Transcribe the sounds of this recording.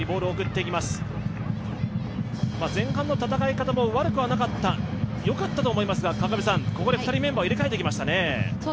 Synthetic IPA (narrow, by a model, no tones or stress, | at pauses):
ibo̞ːɾɯoːkɯ̟t̪ːe̞ikʲimasɨ̥ | mazẽ̞ŋ̃hãnːo̞t̪at̪akaikat̪amo̞βaɾɯ̟kɯ̟βanakat̪ːajo̞kat̪ːat̪o̞ːmo̞imasɨɡakakabʲisãŋko̞ko̞d̪e̞ɸɯ̟t̪aɾʲime̞mbaiɾekaet̪ekʲimaɕi̥t̪ane̞